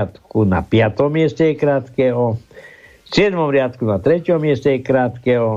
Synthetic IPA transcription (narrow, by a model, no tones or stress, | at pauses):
at̪kuna̰pjat̪omiɛst̪ɛkɾaːt̪kɛɦo | siɛd̪momɾjat̪kunat̪ɾɛcʲomːiɛst̪ʲɛkɾaːt̪kɛːɦo